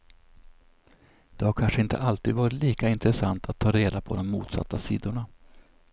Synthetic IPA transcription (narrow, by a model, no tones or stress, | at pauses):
d̪̥ɛhaɾkʰanʂəɪnt̪ʰə̰ʔalt̪iːd̪vɑːɾɪt̪liːkaɪnt̪ɾɛsant̪ʰat̪ʰːɑːɾeːd̪apʰɔd̪ɔmːuːt̪sa̰t̪ːasḭːd̪ʊɳa